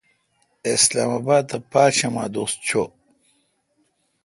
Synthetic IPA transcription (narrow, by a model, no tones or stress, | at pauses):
eslaːmabaːd̪̚t̪ʰɐpaːɕɐma̰ːd̪ost͡ɕʰo